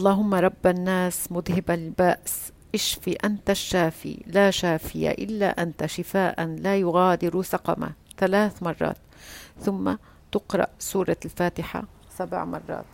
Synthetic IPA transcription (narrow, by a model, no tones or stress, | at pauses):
ʔɑlˤːɑːɦʊmːaɾˤɑbːanːaːsmʊd̪hɪbalbaːʔs | ʔɪʃfiʔant̪aʃːaːfḭlaːʃaːfɪja̰ʔɪlːa̰ʔant̪aʃɪfaːʔanlaːjʊɣaːd̪ɪɾusɑqɑma̰ | θalaːθmɑrˤːɑ̰ːt̪ | θʊmːa | t̪ɪqɾˤɑ̰ʔsuːɾˤɑlfaːt̪ɪħa̰ | sab̰ʕmɑ̰rˤːɑ̰ːt̪̚